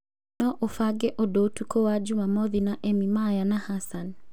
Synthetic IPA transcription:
nɔʔofaɡɛʔɔdotukowad͡ʒumamɔðinaʔemimajanahasan

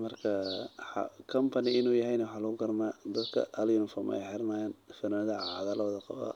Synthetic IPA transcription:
mɐrkʰɐħɑ̰kʰɐmpʰɐnɪɪnuːjɐɦɛjnɐwħaːlɐɣʊɡɐrmaːd̪ɐd̪kʰɐ̰ɐljunɪfɔːm̰ɛ̰jħɛɾmaːjɛːnfɐnaːðɐʕɑðaːlɔðɐqɑ̰βa̰ː

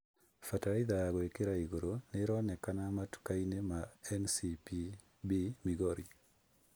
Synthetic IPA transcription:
fataɾiðaɡɔekeɾaiɡoɾoneɾɔnɛkanamatu̥kainemaɛnsipi | bimiɡoɾi

